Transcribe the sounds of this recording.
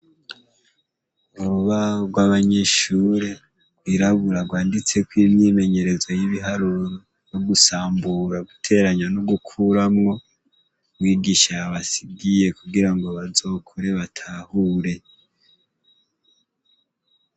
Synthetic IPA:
uɾuuβaɡwaβaɲe̞ʃuɾe | wiɾaβuɾaɡwaːndit͡se̞kwiːmɲime̞ɲe̞ɾe̞zwojiβiɦaɾuɾo | joɡusaːmbuɾaɡutʰe̞ɾaɲanoɡukʰuɾamŋo̞ | mwiːɡiʃaβasibɡije̞kuɡiɾaŋɡoβazo̞ːkʰoɾe̞βatʰahuːɾe̞

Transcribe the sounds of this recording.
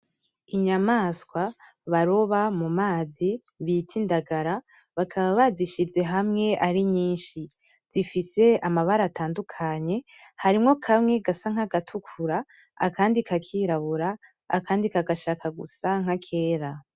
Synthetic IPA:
iɲamaːskwa | βaɾo̞βamumaːzi | βitʰindaɡaɾa | βakʰaβaβaziʃize̞ɦamŋe̞ʔaɾiɲiːnʃi | z̥ifise̞amaβaɾaataːndukʰaɲe̞ | haɾimŋo̞kʰamŋe̞ɡasaŋ̥haɡatʰukʰuɾa | a̰kʰaːndikʰakʰiːɾaβuɾa̰ː | kaːndikaɡaʃakʰaɡṵsaŋ̥hakʰe̞ːɾa

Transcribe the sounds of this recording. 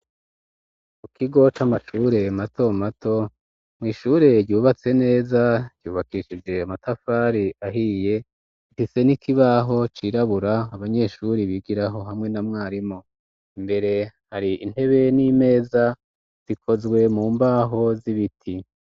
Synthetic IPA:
mukʰiɡo̞t͡ʃamaʃuːɾe̞matʰo̞matʰo̞ | mŋiːʃuːɾe̞ɟɟuːβat͡se̞ne̞ːzaɟ̥juːβakiʃid͡ʒe̞amatʰafaːɾiʔaɦiːje̞ | ifise̞nikʰiβaɦo̞t͡ʃiɾaβuɾaːβaɲe̞ʃuɾiβiɡiɾaɦo̞ɦamŋe̞namŋaːɾimo̞ | imbe̞ɾe̞haɾiin̥e̞βe̞nime̞ːza | z̥ikʰo̞zɡwe̞muːmbaːɦo̞ziβitʰi

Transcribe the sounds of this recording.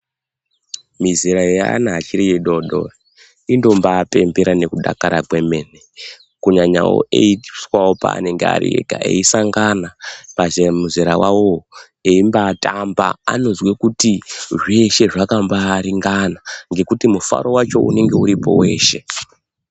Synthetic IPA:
miziɾajoja̰a̰naːt͡ʃiɾijeɗoɗo̰r | indo̞mbaːpe̞mbeɾane̞kuɗa̰kaɾakwe̞me̞ne | kuɲaɲa̰wo̰ʔeiswawo̞pa̰ːne̞ŋɡea̰ɾḭḛka̰e̞̰isaŋɡanapazemuziɾawawo | eimbaːtamba̰a̰no̞zwekutiʐeʃe̞ʐakambaɾiŋɡanaŋɡe̞kutimufa̰ɾo̞wat͡ʃo̞̰ʔṵne̞ŋɡe̞uɾipo̞̰we̞̰ːʃe̞

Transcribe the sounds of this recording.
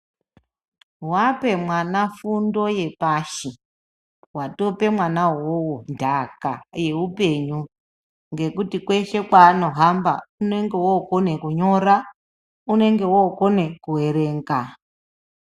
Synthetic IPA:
wape̞mwanafundo̞je̞paʃi | wato̞pe̞mwanawowondʱaka̰je̞upe̞ɲu | ŋɡe̞kutikwe̞ʃe̞kwaːno̞ɦamba̰une̞ŋɡe̞wokone̞kuɲo̞ɾa | une̞ŋɡe̞wokone̞kuwe̞ɾe̞ːŋɡa

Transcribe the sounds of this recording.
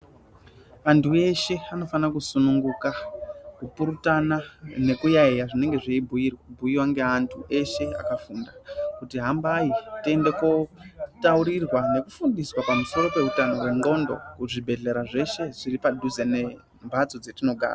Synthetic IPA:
antʰue̞ʃe̞ano̞fanakusunuŋɡukakupuɾutanane̞kujaijaʐine̞ŋɡe̞ʐiibʱujirwabʱujiwaŋɡe̞antʰuʔe̞ʃe̞a̰kafundakutiɦambaitie̞nde̞ko̞tauɾirwane̞kufundiswapamuso̞ɾo̞pe̞utano̞we̞ŋɡo̞ndo̞̰kuʐibʱe̞ɮe̞ɾaʐe̞ʃe̞ʐiripadʱuze̞ne̞ | mbʱat͡so̞d͡ze̞tino̞ɡʱa̰ːra

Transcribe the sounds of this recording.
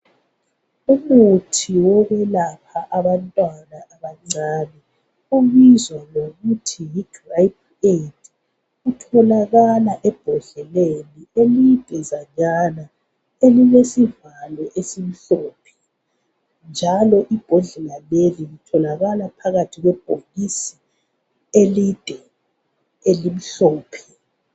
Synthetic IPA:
umutʰiwɔɣwɛlapʰaʔaβantʼwanaʔaβaŋ͡ǀaːnɛ | uɣizwaloɣutʰijid̥rajp̚ʰ | ed | utʰɔlaɣalaʔɛb̥ʱɔɮɛlelielid̥ʱʼɛzaɲana | eliβesivalwɛʔesim̩ɬɔːpʰɛ̥ | nd͡ʒʱalɔʔib̥ʱɔɮɛlalelilitʰɔlaɣalapʰaɣatʰiɣwɛb̥ʱoɣisi̥ | elid̥ʱɛ | elim̩ɬɔːpʰɛ̥

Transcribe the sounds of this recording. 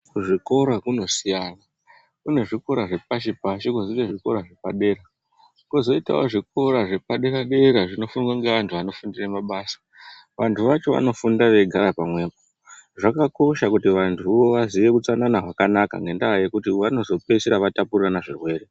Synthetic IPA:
kuʐiko̞ɾakuno̞sijana | kune̞ʐiko̞ɾaʐe̞p̚aʃ̬ipaʃikuziteʐiko̞ɾaʐepaɗe̞ɾa | kozo̞ita̰oʐik̚o̞ɾaʐe̞paɗe̞ɾaɗe̞ɾaʐino̞funɡwaŋɡeʋantʰuʋano̞fundiremaɓaːsḁ | ʋantʰuʋat͡ʃo̞ʋa̰no̞fundaʋe̞ɡʱaɾapamwe̞ːko | ʐakako̞ʃakutiʋantʰuʋo̞ʋaziʋe̞kut͡sananaʐakanaka̰ŋɡe̞ndaɦaje̞kutiʋano̞zo̞pe̞seɾaʋatapurranaʐirwe̞ːre̞

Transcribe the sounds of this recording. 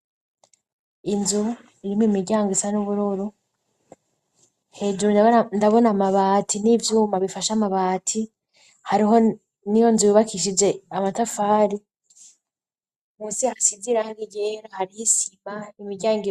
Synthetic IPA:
inzu | iɾimwimiɡɟaːŋɡisanuβuɾuɾu | he̞ːd͡ʒuɾundaβo̞namaβaːtʰinivjuːmaβifaʃamaβaːtʰi | haɾiɦo̞ | nijo̞nzujiβakʰiʃ̬id͡ʒe̞amatafaːɾi | muːsiahasiɡiɾahaɡiɡɟeɾahaɾihisimanimiɟaːŋɡi

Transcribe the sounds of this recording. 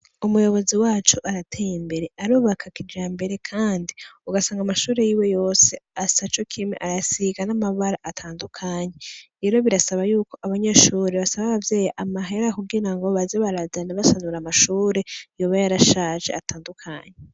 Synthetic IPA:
umujo̞βo̞ziwaːt͡ʃuʔaɾatʰejimbe̞ɾe̞ʔaɾuːβakʰakid͡ʒaːmbe̞ɾe̞kʰaːndiuɡasaːŋɡamaʃuːɾe̞jiːwe̞jo̞ːse̞asat͡ʃo̞kʰimeʔaɾasiɡanamaβaɾaʔatʰaːndukʰaːɲeɾe̞ːɾo̞βiɾasaβajuːko̞ʔaβaɲeʃuːɾeβasaβaβavje̞ːjaʔamaɦe̞ɾakuɡiɾaŋɡo̞βazeβaɾazanaβasanuɾamaʃuːɾe̞joβajaɾaʃaʒe̞̰atʰaːndukʰaɲe

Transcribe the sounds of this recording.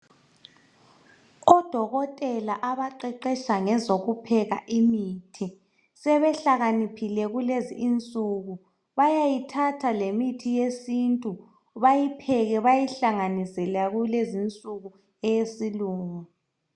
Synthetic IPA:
ɔd̥ʱɔɣɔtʼɛlaʔaβaǃɛǃɛʃaŋɛzoɣupʰɛɣa̰ʔimiːtʰi | sɛβɛɬaɣanipʰilɛɣulezḭːnt͡sʼuɣu | βajajitʰatʰalemitʰijesintʼu | βajipʰɛɣɛβajiɬaŋanisɛlaɣulezint͡sʼuɣu | ɛjesiluːŋu

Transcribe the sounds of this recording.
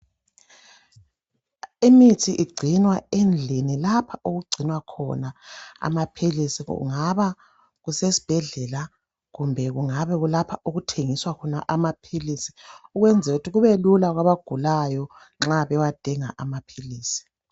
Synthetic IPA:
imitʰiʔiɡ͡ǀʱinwaend͡ɮʱinilapʰaoɣuɡ͡ǀʱinwakʰɔ̰naa̰mapʰilisḭŋaβa | ɣusesi̥b̥ʱɛɮɛla | ɣumbʱɛɣuŋaβɛɣulapʰaoɣutʰeŋiswakʰɔnaʔamapʰilisi̥uɣwɛnd͡zʱɛutʰiɣuβelulaɣwaβaɡ̥ʱulajɔ | ŋ͡ǁaβɛwad̥ʱiŋa̰ʔamapʰiliːsi̥

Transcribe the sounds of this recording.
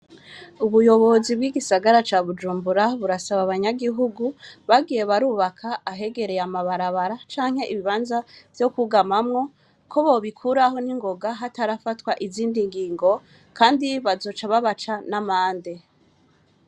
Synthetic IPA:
uβujo̞βo̞zibɡiːɡisaɡaɾat͡ʃaːβud͡ʒuːmbuɾaβuɾasaβaβaɲaɡiɦuɡuβaɡije̞βaɾuːβakʰaːɦe̞ɡe̞ɾe̞jamaβaɾaβaɾat͡ʃaːŋ̥he̞ʔiβiβaːnzav̥jo̞kuɡamamŋo̞ | kʰo̞βoβikʰuɾaɦo̞niŋɡo̞ɡaɦataɾafatwaʔiziːndiŋɡiːŋɡo̞ | kaːndiβazo̞ːt͡ʃaβaβat͡ʃanamaːnde

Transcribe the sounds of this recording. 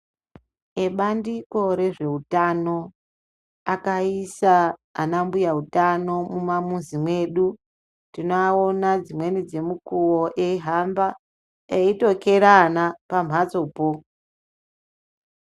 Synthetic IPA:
eɓandiko̞ɾe̞ʐe̞ɦutano̞ | akaisa̰ːnambujautano̞mumamunzimwe̞ɗu | ndinoaonad͡zimwe̞nid͡ze̞mukuwoʔeiɦamba | eito̞ke̞ɾanapam̤ʱat͡so̞po

